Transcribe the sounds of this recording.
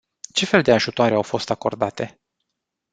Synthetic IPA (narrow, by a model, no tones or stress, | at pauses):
t͡ʃe̞fe̞ld̪e̞aʒut̪oaɾeawfo̞st̪ako̞̰rd̪at̪e̞